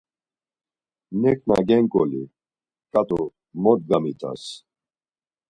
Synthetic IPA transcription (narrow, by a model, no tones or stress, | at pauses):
nɛkʰna̰ɡɛŋkʼɔli | kʼat̪ʼɔ | mɔt̪̚ɡamit̪ʰʼa̰s